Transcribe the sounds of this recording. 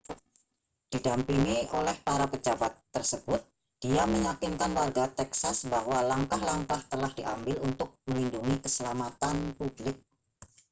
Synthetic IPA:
d̥idampiŋiʔolɛhpaɾapəd͡ʒabat̪ːərsəb̥ʊt̪̚ | d̥iaməɲakɪnkanwarɡat̪ɛksasbahwalaŋkahlaŋkaht̪əlahd̥iʔambɪlunt̪ʊk̚məlinduŋikəsəlamat̪anpublɪk̚

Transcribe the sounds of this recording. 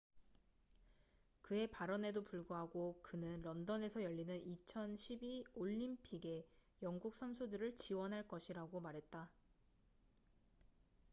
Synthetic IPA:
kɯe̞paɾʌne̞dopuɭɡoɦaɡokɯnɯnɾʌndʌne̞sʰʌjʌʎːinɯnit͡ɕʰʌnɕʰibioʎːimpʰiɡe̞jʌŋɡuk̚s͈ʰʌnsʰudɯɾɯɭt͡ɕiwʌnɦaɭk͈ʌɕʰiɾaɡomaɾɦe̞t̚t͈a

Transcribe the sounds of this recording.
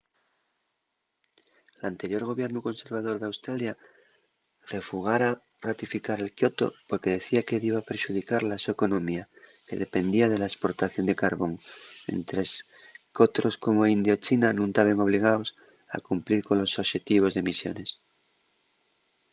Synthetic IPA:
lant̪eɾjo̞ɾɣo̞βje̞ɾnuko̞nse̞ɾβað̞o̞ɾðeawst̪ɾalja | re̞fuɣ̞aɾa | rat̪ifikaɾe̞lkjo̞t̪o̞̰po̞ɾke̞ð̞e̞θiakeðiβapeɾʃuð̞ikaɾlasoeko̞nõ̞mia | ke̞ðe̞pe̞nd̪iað̞e̞laespo̞ɾt̪aθjo̞nd̪e̞kaɾβo̞ŋmḛnt̪ɾes | kot̪ɾo̞sko̞mo̞ind̪jot͡ʃinanũŋk̪aβeŋo̞β̞liɣ̞aos | a̰kumpliɾko̞nlo̞soβʃe̞t̪iβ̞o̞zðe̞misjo̞̰ne̞s

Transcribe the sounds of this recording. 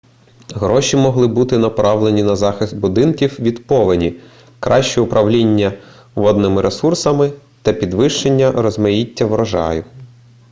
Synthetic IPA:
ɦɾɔʃʲimɔɦlˠɪbut̪ɪnɐpɾɑʋlˠenʲinɐzɑxɪst̪̚bʊd̪ɪnkʲiwʋʲid̪pɔʋɪnʲi | kɾʔɑʃt͡ʃɛʊpɾʔɐʋlʲinʲːɐ | ʋɔd̪nɪmɪɾʔesursɐmɪ | t̪ɐpʲid̪ʋɪʃt͡ʃenʲːɐɾɔzmɐjitʲːɐʋɾɐʒɑ̰jʊ

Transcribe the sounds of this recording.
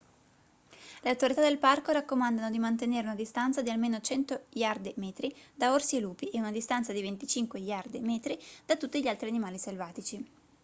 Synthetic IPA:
leawt̪oɾit̪ad̪elparkoɾakːomand̪anod̪imant̪eneːɾeunad̪ist̪ant̪sad̪ialmeːnot͡ʃɛnt̪ojard̪emɛːt̪ɾid̪aorsieluːpiʔeunad̪ist̪ant̪sad̪ivent̪it͡ʃiŋkweʎard̪emɛːt̪ɾid̪̥at̪ːut̪ːiʎialt̪ɾianimaːliselvaːt̪it͡ʃi

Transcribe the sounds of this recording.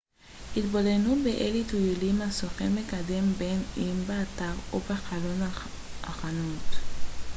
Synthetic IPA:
hit̪bolenubeʔelit̪ujulimasoχemekade̞mbenimbeataʁobeχalon | ʔaχanut̪

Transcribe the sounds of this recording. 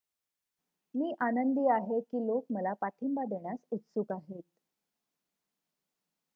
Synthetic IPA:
miːʔanənd̪iːaɦekiːlokməlapaʈʰimbad̪eɳ̃jasut̪sukaɦet̪̚

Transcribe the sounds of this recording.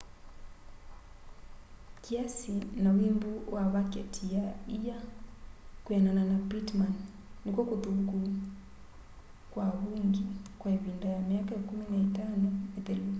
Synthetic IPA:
kiasinawimbuwaβakɛ̰tʰijaija | kwɛnananapitmanː | ikwɔkuðuku | kwaβuŋɡikwaeβindajamiakakuminaitanɔeðɛlu

